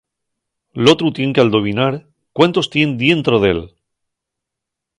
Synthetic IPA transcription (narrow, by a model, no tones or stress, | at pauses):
lo̞t̪ɾut̪je̞ŋkeald̪o̞βinaɾ | kwant̪o̞st̪je̞nd̪je̞nt̪ɾoðe̞̰l